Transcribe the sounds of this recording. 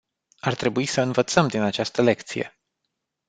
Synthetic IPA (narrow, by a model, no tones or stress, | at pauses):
art̪ɾe̞buisəɨnvət̪səmd̪inat͡ʃast̪əle̞kt̪sije̞̰